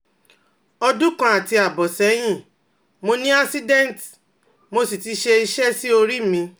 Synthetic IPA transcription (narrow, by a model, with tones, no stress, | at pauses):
ɔ˧du˦kã˧a˨ti˧a˨bɔ˨sɛ˨˦j̃ĩ˦˨ | mo˧nĩ˦a˦si˦dɛ̃˦n˨t | mo˧si˨ti˨˧˦ʃe˧i˧ʃɛ˦si˦o˧ɾi˦mĩ˧